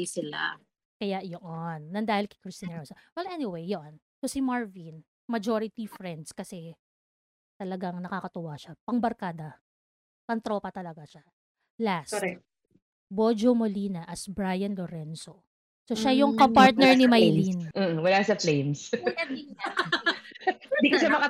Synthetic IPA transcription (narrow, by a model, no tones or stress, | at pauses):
sɪla̰ | kɐjaʔjoʔonːɐnd̪aːhɪlkɛ̥kɾɪst̪inɛɹɐnsɐwɛlʔɛnɪwejːon | sosimaɹvin | mɐd͡ʒoɾɪt̪ifɾɛnd̪skɐsɛ | t̪ɐlɐɡaŋnɐkakɐt̪ʊwaʃapɐŋbɐɾkaːd̪ɐ | pɐŋt̪ɾoːpɐt̪ɐlɐɡaʃa | lasɛ | bod͡ʒomoliːnɐʔɐsbɾaːjɐnloɾɛnso | soʃajʊŋkotpaɹt̪̚nɛɹnɪmɐjlin̩ːʔ̩wɐlasɐflejmsɐi | ɪ̃nd̪ikoʃamɐkɐ